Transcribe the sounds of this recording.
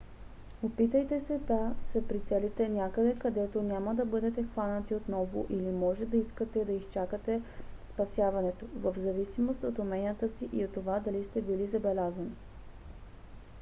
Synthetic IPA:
opit̪əjt̪ɛsɛd̪ɐsɛpɾit̪sɛlit̪ɛnʲjakəd̪ɛkɐd̪ɛt̪onʲaməd̪ɐbɤd̪ɛt̪ɛxvanət̪iot̪nɔvʊ̰ʔilimɔʒɛd̪ɐiskət̪ɛd̪ɐist͡ʃakət̪ɛspɐsjavɐnɛt̪ovəvzɐvisimost̪ot̪omɛnʲijət̪əsiʔiot̪ːovad̪ɐlist̪ɛbilizɐbɛlʲazɐni

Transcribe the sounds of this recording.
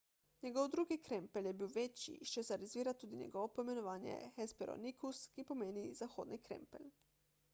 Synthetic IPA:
ɲeɡoʋd̪ɾuːɡikɾempeljebiːwʋet͡ʃḭʃt͡ʃesɛɾazʋiːɾat̪ːuːd̪iɲḛɡoʋopoimenoʋaːnjḛxespeɾo̰nikuskipomeːnizaxoːd̪nikɾḛmpḛl

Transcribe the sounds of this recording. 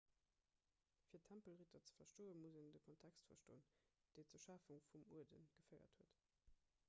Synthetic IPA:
fiːɐtʰæmpəlʁitʰɐt͡sə̥fɐʃtoːənmuzəndəkʰɔntʰækstfɐʃtoːənd̥eɪt͡suɐʃafuŋfumuədənɡ̥əfɜɪɐ̰thuət

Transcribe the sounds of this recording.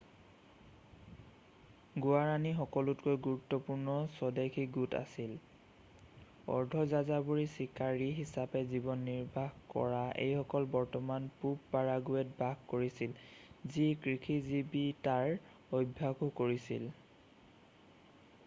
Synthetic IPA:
ɡuaɹanixɔkɔlutkojɡuɹutːɔpuɹnɔsɔdakʰiɡuta̰sil | ɔ̰ɹdʱɔzazabuɹisikaɹiɦisapɛzibɔnːiɹbʱaxkɔ̰ɹaḛjxɔkɔlbɔɹtɔmanpuppaɹaɡuɛt̚bʱaɡkoɹisilzikɹixʰizibitaɹ | obʱːaɡukoɹisḭl

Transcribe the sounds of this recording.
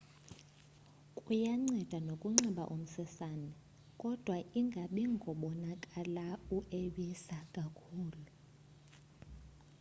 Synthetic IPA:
kʼujaŋ͡ǀɛd̥ʱanokʼuŋ͡ǀiɓa̰ʔum̩sɛsanɛ | kʼɔd̥ʱwaʔiŋɡʱaɓiŋɡʱɔɓɔnakʼalauʔeɓisakʼakʰuːlu

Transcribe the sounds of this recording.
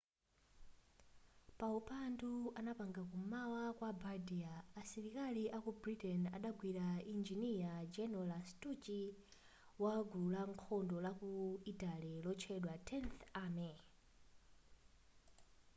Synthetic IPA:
paupanduanapaŋɡakumawakwabadiaːsiɾikaliʔakubritɛna̰ɗaɡwiɾaind͡ʒiniad͡ʒɛnɔlastut͡ʃi | waɡuulaŋkʰɔndɔlakuitʼalilɔt͡ʃʰɛɗwatʰɛnθaːmɛ

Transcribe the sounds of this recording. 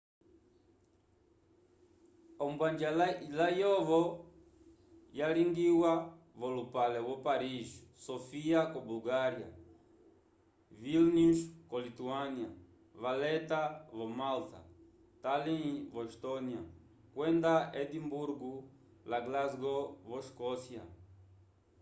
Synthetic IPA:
ombwãnd͡ʒallajovo | jaliŋɡiwa | volupalewopaɾiʃsofiakobulɡaɾja̰ | vilnuʃkolit̪uania | valɛt̪avomalt̪a̰ | t̪alĩvoʃt̪onia | kwẽnd̪aed̪imbuɾɡu | laɡlazɡovoʃkɔsja̰

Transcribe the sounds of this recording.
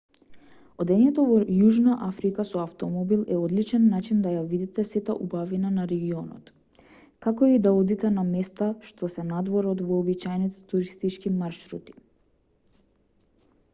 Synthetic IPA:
od̪ɛɲɛt̪ɔvɔjuʒnaʔafɾikasɔaft̪ɔmɔbilˠɛɔd̪lit͡ʃɛnːat͡ʃind̪ajavid̪it̪ɛsɛt̪aʔubavinanaɾɛɡiɔnɔ̰t̪ | kakoid̪aɔd̪it̪ɛnamɛst̪aʃt̪ɔsɛnad̪vɔɾɔd̪vɔːbit͡ʃajnit̪ɛ̥t̪uɾist̪it͡ʃkimaɾʃɾṵt̪i̥

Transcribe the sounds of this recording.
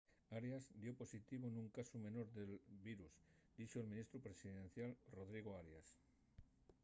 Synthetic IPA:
aɾjazd̪joposit̪iβonũŋkasumẽ̞noɾðelβiɾuz | d̪̥it͡ʃoelmĩnist̪ɾupɾesiðẽn̟θjalroðɾiɣ̞oaɾjas

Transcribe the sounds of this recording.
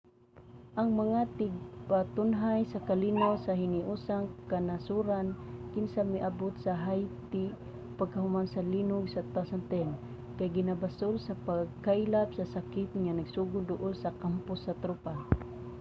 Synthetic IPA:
ʔaŋmaŋat̪ɪɡ̚pat̪ʊnɦajsakalinowsahɪniʔuːsaŋkanasuɾankɪnsamiʔabʊt̪saɦajt̪ɪ | paɡ̚kaɦhʊmansalinʊɡsat̪asant̪ɛn | kajɡɪnabasʊlsapaɡ̚kajlapsasakɪt̪̚ŋanaɡsuɡʊd̪ʊʔʊlsakampʊsːɐt̪ɾupa

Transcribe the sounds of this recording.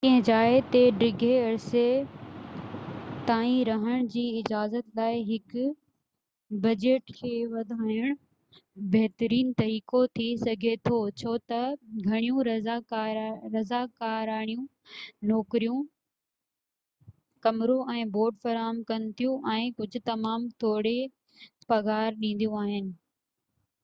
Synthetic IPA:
kɐ̃ɦɪ̃d͡ʑaːet̪eɖɾɪɡʱeɐɽse | t̪aːĩɾɐɦəɽ̃d͡ʑiːɪd͡ʑaːzət̪laːɪɦɪkʊ | bɐd͡ʑeːʈkʰeːʋɐd̪ʱaːjʊɽ̃ʊ | bɐɦt̪əɾiːnt̪ɐɾiːkot̪ʰisɐɡʱet̪ʰot͡ɕʰoːt̪ɐɡʱɐɽ̃ijũɾaɾːɐzaːkaːɾaːɽ̃ijũ | nɔːkɾijũ | kɐmɾoɛ̃ːboːɾɖfɐɾaːɦəmkɐnɪt̪ʰijũʔɛ̃ːkʊd͡ʑʱʊ̆t̪ɐmaːmt̪ʰoːɽe | pɐɣaːɾɗĩːn̆d̪ijũaːɦɪnɪ̆

